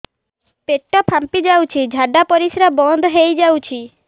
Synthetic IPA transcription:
peʈːɔpʰampid͡ʒawt͡ʃʰid͡ʒʱaɖapɔɾisɾabɔnd̪ʱɦejd͡ʒawt͡ʃʰi

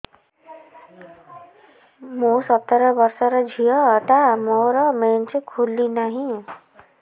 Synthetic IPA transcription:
mũsʌt̪ːʌɾʌbʌɾsʌɾʌd͡zʱijʌt̪amɔɾʌment͡ʃekʰulːinaɦĩ

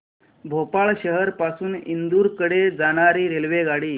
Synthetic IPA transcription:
bʱopaɭɕəɦəɾpasuːnind̪uːɾkəɽed͡zaɽ̃aɾiːɾelʋeɡaɽiː

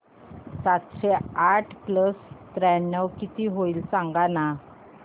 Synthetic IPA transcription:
sat̪ɕeaʈʰkləst̪ɾɛnːəwkit̪iɦoilsãŋɡana

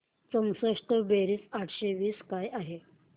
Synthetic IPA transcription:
t͡səŋsəʂʈəbeɾiːt͡saʈʰɕeʋiːskajaɦe

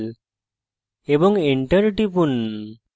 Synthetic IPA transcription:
l | ebɔŋɡeɳʈəɾʈipun

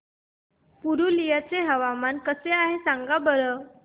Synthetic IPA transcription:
puɾulijat͡seɦəʋamankəseaɦesaŋɡabəɾə

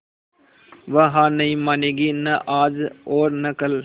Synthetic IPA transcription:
ʋəɦãːnɐĩmaːneɡinəʔaːd͡ʒoːɾnɐkəl

